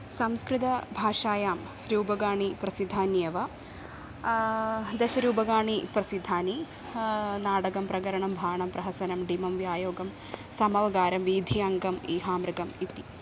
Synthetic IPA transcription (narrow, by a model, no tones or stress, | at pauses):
sɐmskrɨt̪ɐbʱaːʂaːjaːm | ɾuːbɐɡaːɳiprɐsid̪ʱaːnjɐʋɐ | d̪eɕɐɾuːbɐɡaːɳiprɐsid̪ʱaːni | naːɽɐɡɐmprɐɣɐɾɐɳɐmbʱaːɳɐmprɐɦɐsɐnɐmɖimɐmʋjaːjoːɡɐm | sɐmɐʋɐɡaːɾɐmʋiːd̪ʱiɐŋɡɐmiːɦaːmrɾɨɡɐmit̪ːi